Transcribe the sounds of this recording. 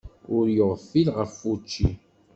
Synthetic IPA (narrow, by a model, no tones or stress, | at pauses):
ʊɾjoʁfilʁəfːut͡ʃːi